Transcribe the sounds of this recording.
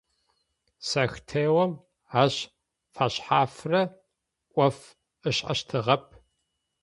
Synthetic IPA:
sɐxtʰeːwɐm | aːɕ | faɕħaːfrɐ | ʔʷʼɔf | ɨɕħɐ̰ɕtʰɨʁɐp̚ʰ

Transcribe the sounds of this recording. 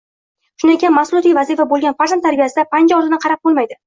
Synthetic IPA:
ʃʊnɪekʲanmasʊlˠɔt̪ijvazifabolˠɡʲanfaɾzant̪ʰːaɾbijasɪd̪apʰand͡ʒɒɾlɪnɪqʰɑɾap̚bolˠmajd̪ɪ

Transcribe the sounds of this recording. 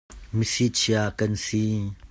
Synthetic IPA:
misit͡ʃʰiakɐnsi

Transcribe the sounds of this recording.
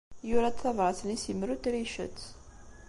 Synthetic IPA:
jʊɾæt̪θɑvɾɑθənisimɾut̪ɾiʃə̰t͡sː

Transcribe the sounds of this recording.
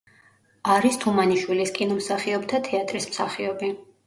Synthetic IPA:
aɾist̪ʰumaniʃwiliskʼinɔmsaχiɔbt̪ʰat̪ʰɛat̪ʼɾismsaχiɔbi

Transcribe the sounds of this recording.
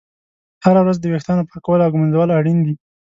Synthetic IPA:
haɾawɾazd̪əwext̪jɑnopɑkawəlawɡumanzawəlaɽind̪i

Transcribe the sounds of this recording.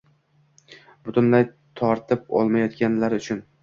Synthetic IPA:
b̥ʊt̪ʰʊnlaj | t̪ʰɒɾt̪ʰɪp̚ɒ̰lˠmajɒt̪kʲanlaɾʊt͡ʃʰʊn

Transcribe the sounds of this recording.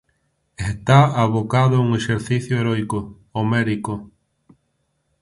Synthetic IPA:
est̪aaβokaðʊuŋeʃeɾθiθjʊeɾɔjkʊ | omɛɾiko

